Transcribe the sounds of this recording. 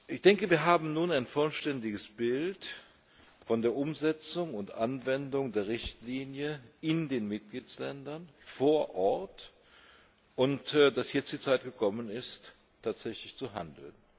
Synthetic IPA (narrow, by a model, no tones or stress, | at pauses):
ʔɪçd̥ɛŋkəviːɐɦaːbm̩nuːnaɪnfɔlʃtɛndɪɡəsb̥ɪlt | fɔndeːɐʔʊmzɛt͡sʊŋʊntʔanvɛndʊŋdeːɐʁɪçtliːnjəɪndeːnmɪt̚ɡ̥liːt͡slɛndɐnfoːɐʔɔɐt | ʔʊntːd̥asjɛt͡std̥iːt͡saɪtɡ̥əkʰɔmənɪstʰː | aːtz̥ɛçlɪçt͡suɦa̰ndl̩n